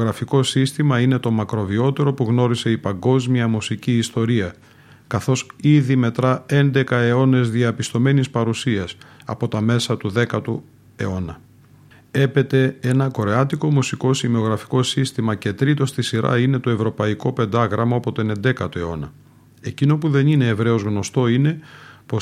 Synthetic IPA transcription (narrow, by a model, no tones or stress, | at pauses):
ɣɾɐfiko̞sist̪imɐine̞t̪o̞mɐkɾo̞vio̞t̪e̞ɾo̞puɣno̞ɾise̞ipɐŋɡo̞zmiɐmusiciːst̪o̞ɾiɐ | kɐθo̞siðime̞t̪ɾɐe̞nd̪e̞kɐe̞o̞ne̞zðiɐpist̪o̞me̞nispɐɾusiɐsɐ̰po̞t̪ɐme̞sɐt̪uðe̞kɐt̪u | e̞o̞nɐ | e̞pe̞t̪e̞e̞nɐko̞ɾeɐt̪iko̞musiko̞simeo̞ɣɾɐfi̥ko̞sist̪imɐce̞t̪ɾit̪o̞st̪isiɾɐ̰ine̞t̪o̞e̞vɾo̞pɐiko̞pe̞nd̪ɐɣɾɐmɐɐpo̞t̪one̞nd̪e̞kɐt̪oe̞o̞nɐ | e̞cino̞puðe̞nineːvɾe̞o̞zɣno̞st̪o̞ine̞po̞